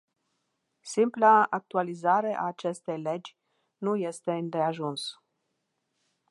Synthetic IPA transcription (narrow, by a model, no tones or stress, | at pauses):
simplaak̚t̪ualizaɾe̞ʔaːt͡ʃe̞st̪e̞jle̞d͡ʒʲ | nuje̞st̪e̞ɨnd̪e̞aʒuns